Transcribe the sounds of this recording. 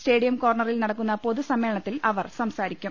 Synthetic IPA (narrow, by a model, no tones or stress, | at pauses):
sʈe̞ːɽijɐmko̞ːrɳɐrilnɐɽɐkːunːɐpo̞ðusɐmeːɭɐɳɐt̪ːilɐʋɐrsɐmsaːɾikʲːum